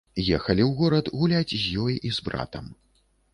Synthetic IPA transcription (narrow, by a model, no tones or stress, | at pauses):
jɛxɐlʲiwɣɔɾɐt̪ɣulʲad͡zʲzʲjɔjʔizbɾa̰t̪ɐm